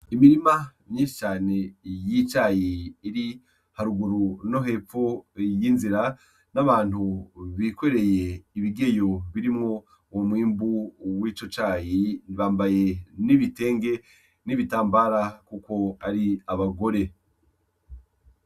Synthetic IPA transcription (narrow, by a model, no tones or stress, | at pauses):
imiɾimamɲĩːnʃi̥t͡ʃaːne̞jit͡ʃaːjiːɾi | haɾuɡuɾuno̞ɦe̞p͡fo̞jinziɾa | naβaːn̥huβikwe̞ɾe̞je̞iβiɡe̞jo̞βiɾimŋo̞ | womwiːmbuwit͡ʃo̞t͡ʃaːjiβaːmbaje̞niβite̞ːŋɡe̞ | niβitaːmbaːɾakuko̞aɾiaβaɡo̞ɾe̞